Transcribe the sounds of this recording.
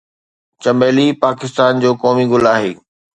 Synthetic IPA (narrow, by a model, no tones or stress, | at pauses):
t͡ɕɐmeːlipaːkɪst̪aːnd͡ʑoːkɔːmiɡʊlaːɦeː